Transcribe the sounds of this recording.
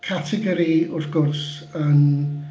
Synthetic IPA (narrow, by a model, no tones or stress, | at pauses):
kʰatʰɛɡɔɾiʊfɡ̥ʊrs | ən